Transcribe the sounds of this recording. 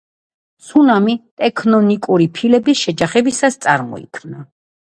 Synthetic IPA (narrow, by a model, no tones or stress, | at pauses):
sunamit̪ʼɛkʰnɔnikʼuɾipʰilɛbisʃɛd͡ʒaχɛbisast̪sʼaɾmɔ̰ḭkʰmna